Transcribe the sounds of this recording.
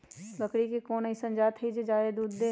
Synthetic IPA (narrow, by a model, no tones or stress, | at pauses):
bəkɽikekoːnəisɐ̃nd͡ʒaːt̪ʰid͡ʒed͡ʒaːed̪uːd̪ːe